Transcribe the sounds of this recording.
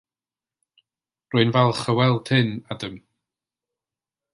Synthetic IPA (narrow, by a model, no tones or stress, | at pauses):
rʊɨnvɛlˠχəwɛlˠd̥hɨnadəm